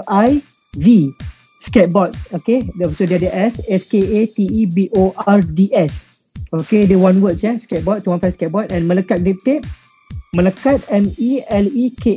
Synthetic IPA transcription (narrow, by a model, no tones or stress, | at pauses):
aj | vi | skɛt̚bɔt̚okedsodɛadəʔɛsɛskeet̪iːbiʔoʔaɹdiɛs | okedɛwãnwətsjɛskɛt̚bɔt̚ːuwãnfaskɛt̚bɔtɛ̃nməlakat̚dip̚t̪et̚ | məlakat̚ɛ̃miɛlikʰe